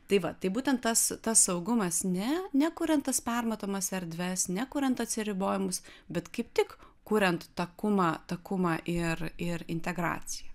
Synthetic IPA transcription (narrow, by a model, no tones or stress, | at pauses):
t̪ɐɪʋɐt̪ɐɪbuːt̪ʲɛnt̪̚t̪ːɐst̪ɐssɐʊɡʊmɐsnʲɛnʲɛkuːɾʲɛnt̪t̪ɐspʲɛrmɐt̪oːmɐsɛɾʲd̪ʲʋʲɛsnʲɛkuːɾʲɛnt̪ɐt̪ʲsʲɪɾʲɪboːjɪmʊsbʲɛt̪kɐɪp̚t̪ʲɪk | kuːɾʲɛnt̪t̪ɐkʊmɑːt̪ɐkʊmɑːʔɪrɪɾɪ̰nʲt̪ʲɛɡɾɑ̰ːt͡sʲɪjɛ